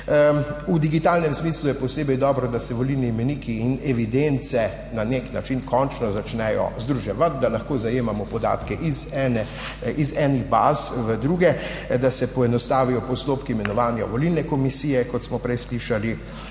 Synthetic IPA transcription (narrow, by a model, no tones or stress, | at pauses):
ud̪iɡit̪aːlnɛmsmiːslujɛpɔseːbɛjd̪ɔːbɾɔd̪asɛʋolilniːmɛniːkʰiinɛʋid̪ent̪sɛ | naneknat͡ʃinkʰɔnt͡ʃnɔzat͡ʃnɛjɔ̰zd̪ɾuʒɛʋat̪̚d̪alɐxkoːzajeːmamɔpɔd̪a̰ːt̪kɛʔizɛnɛ | izɛniɣba̰ːzʋəd̪ɾuːɡɛ | d̪asɛpɔɛnɔst̪aːʋijɔpɔst̪oːpkiːmɛnɔʋaːnja̰ʋɔlilnɛkɔmisiːjɛkɔt̪smɔpɾɛjsliʃali